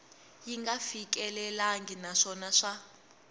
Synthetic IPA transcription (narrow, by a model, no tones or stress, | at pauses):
jiŋɡafik̬ʼɛlɛlaŋɡinaʂɔnaʂa